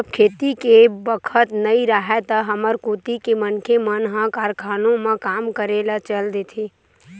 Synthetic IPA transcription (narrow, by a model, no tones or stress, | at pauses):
əbkʰeːt̪ikebəkʰət̪nəĩɾəɦɛt̪əɦəməɾkut̪ikemənkʰemənɦãkaɾkʰaːnõmẽkaːmkəɾelat͡ʃəld̪et̪ʰi